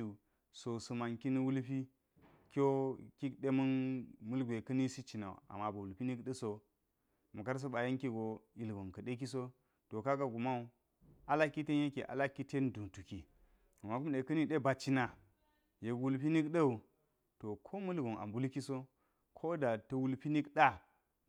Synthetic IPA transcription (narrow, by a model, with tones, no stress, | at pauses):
u˨ | so˨su˨ma˨nki˦ni˦wu˦lpi˦ | kʲo˦ki˦kɗe˦mɐ˦nmu˦lɡʷe˨kɐ˦ni˦si˦t͡ʃi˨na̰˨ṵ˨a̰˨ma˨ba˨wu˨lpi˦ni˦kɗə˦so˨ | mu˨ka˦ɾs̬o˦ɓa˨je˦nki˦ɡo˨i˨lɡo˨nkɐ˨ɗe˦k̬i˦s̬o˦ | to˨ka˦ka˦ɡu˨ma˦u˦ | a˦la˦kːi˦te˦nje˦kḛ˨ʔa̰˨la˦kːi˦te˦ndu˨tu˨ki˨ | a˨ma˨ku˦mɗe˨kɐ˦ni˦ɗe˦ba˨t͡ʃi˦na˨ | je˨kwu˦lpi˦ni˦kɗɐ˦u˨ | to˨kʰo˦mu˦lɡo˨na̰˨mbu˦lki˦so˦ | kʰo˦da˨tɐ˦wu˦lpi˦ni˦kɗa˦